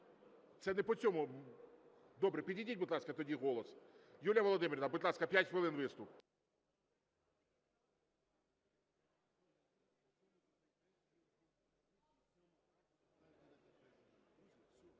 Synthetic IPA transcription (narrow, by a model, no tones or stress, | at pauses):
t̪sɛnɛpɔt͡sʲɔmʊ | d̪ɔbɾɛpʲidʲidʲitʲbʊd̪lˠɑskɐt̪ɔdʲiɦɔlˠɔsjulʲjɐʋɔlˠɔd̪ɪmɪɾʲɪnɐbɪd̪lˠɑskɐpʲjatʲxʋɪlˠɪnʋɪst̪ʊp